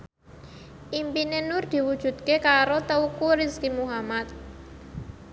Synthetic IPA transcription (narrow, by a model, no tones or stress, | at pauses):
ʔimpinenʊrd̪̥i̤wud̥ʒ̥ṳt̪̚kekaɾot̪əukuɾiskimuɦamat̪̚